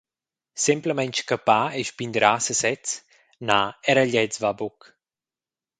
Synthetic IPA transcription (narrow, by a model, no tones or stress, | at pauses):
simpləmɛnt͡ʃkəpaɛʃpind̪ɾasəsɛt͡s | naɛɾəʎɛt͡svabɔk